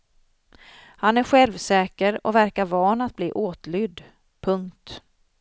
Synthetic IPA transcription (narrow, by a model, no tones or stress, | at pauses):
hanæɾɧɛlvsɛːkəɾɔ̰væɾkaɾvɑːnat̪̚bliːʔoːt̪lʏd̪ | pʰɵŋkt̪